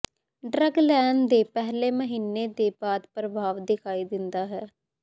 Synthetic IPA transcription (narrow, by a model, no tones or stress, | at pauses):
ɖɾəɡlɛːnd̪eːpɛɦleːməɦiːnːed̪eːbaːd̪pɾəbʱaːʋd̪ɪkʰaːid̪ɪnd̪aːɦɛː